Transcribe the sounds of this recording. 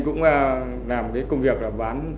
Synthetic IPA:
kʊ̰˧˥ŋ͡maː˨˩ | laː˨˩m˨˩kaː˨˦jkʊ˧ŋ͡mvi˨˩ək̚laː˨˩ɓaː˨˦n

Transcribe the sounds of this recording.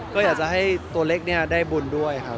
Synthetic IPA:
kɔː˥˩jaː˨˩k̚t͡ɕa˨˩ɦa˥˩jt̪u˧ɐleː˦˥˩k̚ni˥˩ɐdaː˥˩jbu˧˩ndu˥˩əjkʰa˦˥p̚

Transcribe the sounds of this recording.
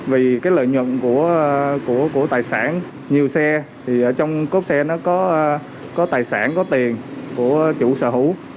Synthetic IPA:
vi˨˩kaː˨˦jlə̰ː˧˨jɲwə̰˧˨nku˧˩əku˧˩əku˧˩ət̪aː˨˩jsaː˧˩n | ɲi˨˩əwsɛ˧ | t̪ʰi˨˩ʔəː˧˩t͡ɕɔ˧wŋ͡mko˦˥p̚sɛ˧nɔ˨˦kɔ˨˦˧ | kɔ˨˦t̪aː˨˩jsa̰ː˧˩nkɔ˨˦t̪i˨˩ənku˧˩ət͡ɕṵ˧˥sə̰ː˧˩hṵ˧˥

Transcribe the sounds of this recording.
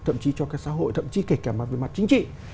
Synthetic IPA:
t̪ʰə̰˧˨mt͡ɕi˨˦t͡ɕɔ˧kaː˦˥k̚sa̰ː˧˦ɦo̰˧˨jt̪ʰə̰˧˨mt͡ɕi˨˦ke˧˩kaː˧˩ma˨˩ve˨˩ma˨˩t̚t͡ɕi˨˦ŋ̟t͡ɕḭ˧˨

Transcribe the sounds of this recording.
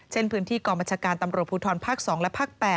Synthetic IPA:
t͡ɕʰe˥˩npʰɯː˦˥nt̪ʰiː˥˩kɔː˧baː˧nt͡ɕʰaː˧kaː˧nt̪a˧mɾu˨˩ət̪̚puː˧t̪ʰɔː˧npʰaː˥˩k̚sɔː˩˦ŋlɛ˦˥pʰaː˥˩k̚pɛː˨˩

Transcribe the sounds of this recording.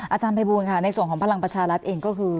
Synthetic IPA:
ʔʔaː˧t͡ɕaː˧npʰa˧jbuː˧nkʰa˥˩na˧jsu˨˩əŋkɔː˩˦ŋpʰa˧la˧ŋpɾa˧t͡ɕʰaː˧ɾa˦˥t̪̚ʔeː˧ŋkɔː˥˩kʰɯː˧

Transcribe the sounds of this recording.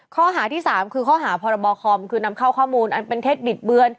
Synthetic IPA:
kʰɔː˥˩ɦaː˩˦t̪ʰiː˥˩saː˩˦mkʰɯː˧kʰɔː˥˩ɦaː˩˦pʰɔː˧ɾa˧bɔː˧kʰɔː˧mkʰɯː˧na˧˥mkʰa˥˩wkʰɔː˥˩muː˧nʔa˧npe˧nt̪ʰeː˥˩t̪̚bi˨˩t̪̚bɯ˧ən

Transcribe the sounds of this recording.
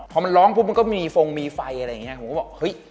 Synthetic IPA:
pʰɔ˧˩ma˧nɾɔː˦˥ŋpʰuː˦˥ma˧nkɔː˥˩ma˥˩jmiː˧fo˧ŋmiː˧fa˧jʔa˧ɾa˧jːa˨˩ŋi˦˥ɐkʰːkːbɔ˨˩khɤ˦˥j

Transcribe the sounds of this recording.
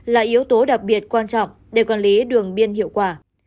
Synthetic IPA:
laː˨˩ʔi˨˦əwt̪o˨˦ɗa˨˩k̚ɓi˨˩ət̚kwaː˧nt͡ɕɔ̰˧˨wŋ͡m | ɗe˧˩kɔ˨˩nli˨˦ɗɨ˨˩əŋɓi˧ənhḭ˧˨əwkwaː˧˩

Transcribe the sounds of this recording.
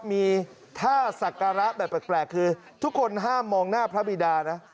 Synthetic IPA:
miː˧ | t̪ʰaː˥˩sa˨˩ka˧ɾa˦˥bɛː˨˩p̚ːeː˨˩k̚plɛː˨˩kʰːɯː˧ | t̪ʰu˦˥kʰːo˧nɦaː˥˩mːɔː˧ŋnaː˥˩pʰɾa˦˥bi˨˩daː˧na˦˥ʔ

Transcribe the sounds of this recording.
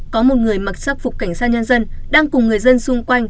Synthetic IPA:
kɔ˨˦mo˨˩t̚ŋɨ˨˩əjma˨˩t̚sa˦˥k̚fʊ˨˩k͡p̚ka˧˩jŋ̟saː˧˥t̚ɲə˧nzə˧nɗaː˧ŋkʊ˨˩ŋ͡mŋɨ˨˩əjzə˧nsʊ˧ŋ͡mkwa˧jŋ̟

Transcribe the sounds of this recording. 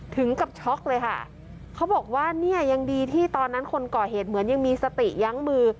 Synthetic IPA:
t̪ʰɯ˩˦ŋka˨˩p̚t͡ɕʰɔ˦˥k̚lɤː˧jkʰa̰˥˩ | kʰa˦˥wbɔː˨˩k̚waː˥˩ni˥˩ɐja˧ŋdiː˧t̪ʰiː˥˩t̪ɔː˧nːa˦˥nkʰo˧nkɔː˨˩heː˨˩t̪̚mɯ˩˦nja˧ŋmiː˧sa˧t̪i˨˩ja˦˥ŋmɯː˧

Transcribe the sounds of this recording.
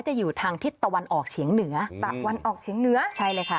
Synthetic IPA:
wt͡ɕa˨˩juː˨˩t̪ʰaː˧ŋt̪ʰi˦˥t̪ːa˧wa˧nʔɔː˨˩k̚t͡ɕʰi˩˦əŋnɯ˩˦ɐt̪a˨˩wa˧nʔɔː˨˩k̚t͡ɕʰiː˨˩˦əŋnɯ˩˦ɐt͡ɕʰa˥˩jlɤː˧jkʰa˦˥˩

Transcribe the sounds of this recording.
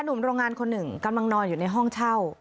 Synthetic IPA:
a˧nu˨˩˦mɾoː˧ŋːaː˧nkʰo˧nːɯ˨˩ŋka˧mla˧ŋnɔː˧njuː˨˩na˧jɦɔ˥˩ŋt͡ɕʰa˥˩w

